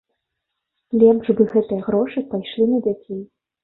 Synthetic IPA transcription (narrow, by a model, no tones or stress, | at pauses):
lʲɛmʐbɨɣɛt̪ɨjɐɣɾɔʂɨpajʂlʲinɐd͡zʲat͡sʲej